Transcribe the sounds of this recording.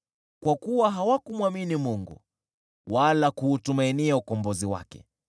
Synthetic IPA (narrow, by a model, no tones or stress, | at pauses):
kwakuwaɦawakumwaminimuŋɡṵ | walakuːtumainiaukɔmbɔziwa̰kɛ̰